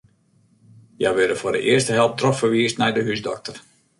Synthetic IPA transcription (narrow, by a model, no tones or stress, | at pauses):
jaʋɪdəfʊːdə̰ʔɪərstəɦɛlˠp̚troxfərʋiəstnɛjdəɦysdɔ̰k̚tər